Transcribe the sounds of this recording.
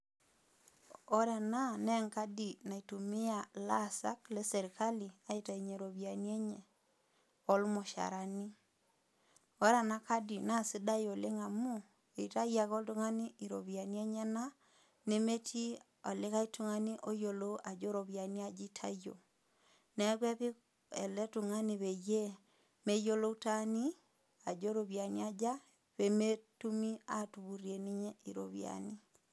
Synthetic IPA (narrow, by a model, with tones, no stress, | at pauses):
ɔ˦ɾa˨na˦nɛ˦ŋka˦di˨na˨i˨tu˨mɪ˦a˨la˦˨sa̰˦klɛ˦sɛ˨ɾi˨ka˦li˨a˨˦i˦ta˨i˨ɲe˨ɾo˨bi˨a˨ni˦e˦ɲɛ˨ | ɔ˦lmɔ˨ʃa̰˨ɾa˨ni˦ | o˦ɾa˨na˦ka˦di˨na˦˨si˦da˦jo˨lɪ˦ŋa˨mu˦ | e˨ta˦ja˨kɔ˦ltu˦ŋa˦ni˦i˨ɾo˨bi˨a˨ni˦e˦ɲɛ˦na˦ | ne˦me˦tʰi˦ | ɔ˨le˦ka˦i˦tu˦ŋa˦ni˦ʔo˦jo˨lo˦ʔa˨d͡ʒo˦ɾo˨βja˨ni˦a˦d͡ʒi˦tʰa̰˦jo̰˨ | nɛ˨˦kwɛ˦βi˦ | ɛ̰˨lɛ˦tu˨ŋa˦ni˨βe˨je˦ | me˦jo˦lo˦u˦ta˦ni˦ | a˨d͡ʒo˦ɾo˨βja˨ni˦a˦d͡ʒa˦ | βe˨me˦tu˦mi˦a˦tu˨βu˨ɾje˨ni˦ɲɛ˦i˨ɾo̰˨βj̰a̰˨ni˦